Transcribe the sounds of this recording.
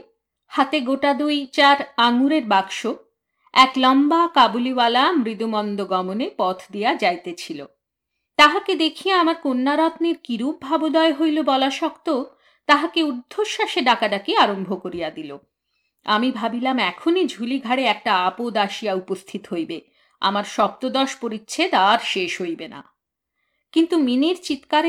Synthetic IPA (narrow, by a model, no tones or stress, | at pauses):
hat̪eɡoʈad̪ujt͡ɕaɾaŋuɾeɾbaɡʃo | ɛklɔmbakabulibalamɾid̪umɔnd̪oɡɔmonepɔt̪ʰd̪ijad͡ʑajt̪et͡ɕʰilo̰ | t̪aɦaked̪ekʰijaamaɾkonːaɾɔt̪niɾkiɾub̚ʱabod̪ɔeɦojlobɔlaʃɔkt̪o | t̪aɦakeud̪ʱːoɾʃaʃeɖakaɖakeaɾombʱokoɾijad̪ilo̰ | amibʱabilamɛkʰonid͡ʑʱuliɡʱaɽeɛk̚ʈaapod̪aʃijaupost̪ʰit̪oɦojbe | a̰maɾʃɔk̚t̪od̪ɔʃpoɾitːɕʰed̪aɾʃeʃɦojbena̰ | kint̪uminiɾt͡ɕit̪kaɾ